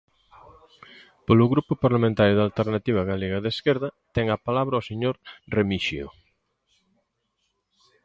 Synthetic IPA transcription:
polʊɣɾupʊpaɾlamẽnt̪aɾjʊðalt̪eɾnat̪iβ̞aɣaleɣaðeskeɾðɐt̪ɛŋɐpalaβɾɐoseɲoɾremiʃio̰

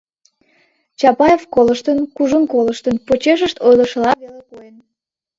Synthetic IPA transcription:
t͡ɕɑpɑjefkoləʃt̪ənkuʒənkoləʃt̪ənpot͡ɕeʃ̬əʃt̪ojlə̆ʃəlɑβelekojen

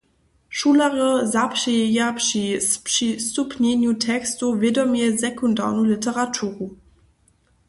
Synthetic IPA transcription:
ʃuːlaʁəzapʃɛɛjapʂipʂisupʰnenjutʰɛkstuvjedɔmɛzɛkunda̰ːʁnulitʰəʁatʰuːʁu

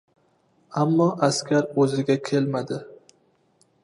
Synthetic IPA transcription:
amːɒʔaskʲʰaɾɵzɪɡʲakʲʰe̞lmad̪ɪ

